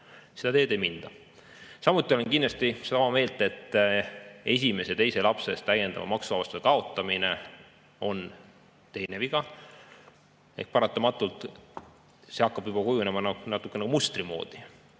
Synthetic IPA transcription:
se̞d̪ɑt̪e̞ːd̪e̞jmind̪̥ɑ | sɑmut̪ːˑiolenkind̪lɑst̪ised̪ɑomɑme̞ːlt̪ˑe̞t̪ːˑ | e̞s̬ʲime̞set̪e̞jse̞lɑpse̞st̪æje̞nd̪̥ɑ̰mɑ̰mɑksuvɑbɑst̪u̥sekɑo̞t̪ːˑɑmine̞ | o̞n | t̪e̞jne̞viɡ̥ɑ | e̞̰hk̚pɑɾɑt̪ːˑɑmɑt̪ːˑult̪ˑ | se̞ɑkːɑb̥jub̥ɑkujunemɑnɑnɑt̪ːˑukːˑenekumust̪rimo̞̰ːd̪̥i

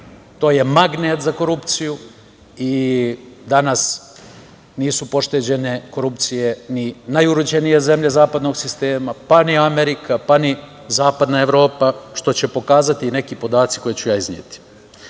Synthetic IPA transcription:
t̪o̞ːje̞maɡneːt̪zako̞ɾupt̪siju | i | d̪anas | niːsupo̞ʃt̪e̞d͡ʑe̞ne̞ko̞ɾupt̪sije̞ninajuɾod͡ʑenije̞ze̞mʎe̞zaːpad̪no̞ɡsist̪e̞ːmapaniameɾikʰapani | zaːpad̪nae̞ʋɾo̞ːpaʃt̪o̞t͡ɕepo̞kaːzat̪ine̞kipo̞d̪aːt̪si̥ko̞jet͡ɕujaːiznɲjḛt̪i̥

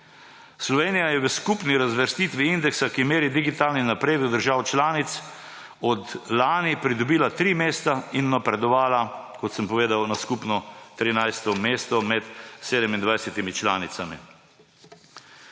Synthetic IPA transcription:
slɔʋeːnijajɛʋəskupniɾazʋəɾst̪iːt̪ʋiind̪ɛksakimeːɾid̪iɡit̪aːlninapɾeːd̪ud̪əɾʒaːwt͡ʃlaːnit̪s | ɔt̪laːnipɾid̪ɔbiːlat̪ɾimeːst̪ainːapɾɛd̪ɔʋaːlakɔt̪səmpɔʋeːd̪awnaskupnɔt̪ɾinajst̪ɔmeːst̪ɔmɛt̪seːd̪əmind̪ʋajsɛt̪imit͡ʃlaːnit̪samḭ

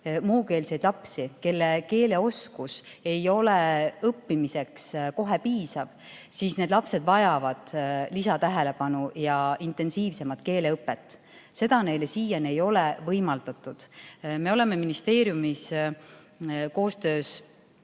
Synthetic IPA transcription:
muːke̞ːlse̞jd̪lɑpsike̞lːeke̞ːle̞o̞skuse̞jo̞leɤpːimise̞ksko̞ɦe̞piːsɑv | sisne̞d̪lɑpse̞d̪̥vɑjɑvɑd̪̥lisɑt̪æɦele̞pɑnujɑint̪ˑe̞nsiːvse̞mɑt̪ke̞ːle̞ɤpːe̞t̪ːˑ | se̞d̪̥ɑne̞jlesiːjɑne̞jo̞levɤjmɑld̪̥ɑt̪ːˑud̪̥me̞o̞le̞me̞minist̪e̞ːɾjumis | ko̞ːst̪ø̞ːs

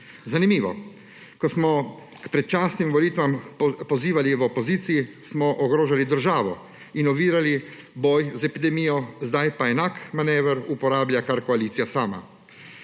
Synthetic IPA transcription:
zanimiːʋɔ̰ | kɔsmɔ | kpɾɛt̪̚t͡ʃaːsnimʋɔliːt̪ʋampɔziːʋaliʋɔpɔziːt̪sijismɔʔɔɡɾoːʒalid̪əɾʒaːʋɔ | inɔʋiːɾali | bɔːjzɛpid̪ɛmiːjɔzd̪ajpaɛnaːkmanɛːʋəɾupɔɾaːblʲjakaɾkɔaliːt̪sijasaːma̰

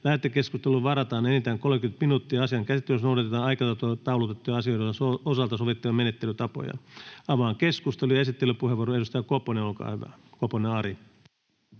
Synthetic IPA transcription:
læhæt̪ːekːeskust̪elːuʋɑrɑt̪ɑːnenit̪æːŋkolmekyt̪minuːt̪ːiɑɑsiɑŋkæsit̪ːysnouɾɑt̪et̪ɑːnɑikɑt̪ɑt̪ot̪ɑulut̪et̪ːujɑɑsioiɾɑossoosɑlt̪ɑsoʋit̪ːiʋɑmenet̪ːelyt̪ɑpo̰jɑ̰ɑʋɑːŋkeskust̪elujɑesit̪ːelypuheʋuoːɾoedust̪ɑjɑkoponeolkɑ̰ːhyʋæ̰koponeɑɾi

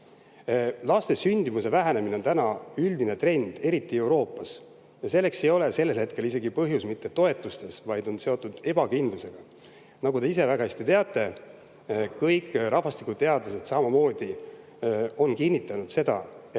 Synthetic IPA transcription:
lɑst̪e̞synʲd̪̥imuse̞væɦæne̞mine̞o̞nt̪ænɑyld̪ine̞t̪re̞nd̪̥e̞ɾit̪ːˑie̞wɾo̞ːpːˑɑs | jɑse̞lːe̞kse̞jo̞le̞se̞lːelhe̞t̪̚ke̞lise̞ɡipɤɦjusmit̪ːe̞t̪o̞e̞t̪ːˑust̪e̞svɑjd̪̥o̞nse̞o̞t̪ːˑud̪̥e̞bɑkind̪luse̞ɡ̥ɑ | nɑɡut̪e̞is̬e̞væɡɑest̪it̪e̞ɑt̪ːˑe̞ | kɤjkːɾʔɑhvɑst̪ikud̪̥̚t̪eɑd̪luse̞d̪sɑmɑmo̞ːd̪̥i | o̞nkinʲːit̪ːˑɑnud̪̥se̞d̪̥ɑ̰

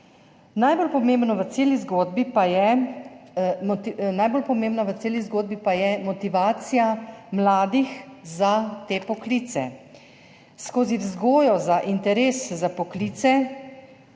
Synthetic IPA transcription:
najbolpɔmeːmbnɔʋət̪seːlizɡoːd̪bipajɛ | najbolpɔmẽːmbnaʋət̪seːlizɡoːd̪̚bipajɛmɔt̪iʋaːt̪sijamlaːd̪ixzat̪eːpɔkliːt̪sɛ̰ | skoːzizɡoːjɔzaʔint̪ɛɾeːszapɔkliːt̪sɛ

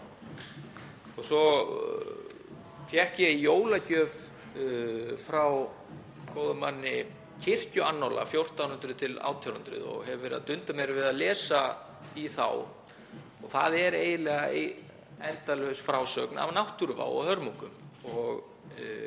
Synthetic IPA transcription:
ɔɣsɔ | fjɛhkjɛijoːwlacœːv | fɾaw | kʰowðʏmːanːɪ | cʰɪr̥cʏanːɔwla̰fjowr̥t̪awnʏnt̪ɾʏt̪ʰɪla̰ːwt̪ʰjaɾʏnt̪ɾɪ̰ðɔ̰ɣhɛvvɛɾɪðat̪ʏnt̪amjɛɾvɪðaðlɛːsa | iθa̰w | ɔɣθaðɛɾeːjðɪlɛːɣa | ɛnt̪alœsfɾawsœːkna̰vnawht̪uɾva̰wɔ̰hœɾmuŋkʏmɔɣ

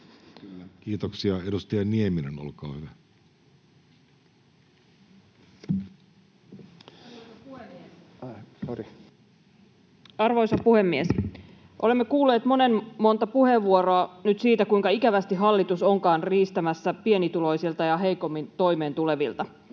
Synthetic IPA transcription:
kylːækiːt̪oksiɑedust̪ɑjɑniemineno̰lkɑ̰ːhyʋæ | ori | ɑrʋo̞jsɑpuhe̞mːies | ʔo̞lemːekuːlːeːt̪mo̞ne̞nmo̞nt̪ɑpuhe̞ʋːuoɾoɑnyt̪siːt̪ækuiŋkɑikæʋæst̪iɦɑlːit̪uso̞ŋkɑːnriːst̪æmæsːæpie̞nit̪ulo̞jsilt̪ɑjɑɦe̞jko̞mːint̪o̞jme̞ːnt̪ule̞ʋilt̪ɑ

